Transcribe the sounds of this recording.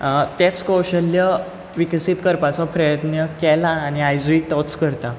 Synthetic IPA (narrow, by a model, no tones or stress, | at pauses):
t̪et͡skɔwɕəlːjə | ʋiksiːt̪kəɾpat͡sɔpɾəjət̪njəkɛlaːñiajd͡zuiʈ̪ɔskəɾt̪a